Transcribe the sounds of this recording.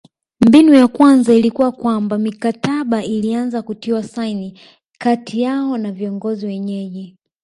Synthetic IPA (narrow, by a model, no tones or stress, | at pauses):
mbinujakwanzailikuwakwambamikataɓaʔilianzakutiwasaini | katʰijaɔnaviɔŋɡɔziwɛɲɛʄɛ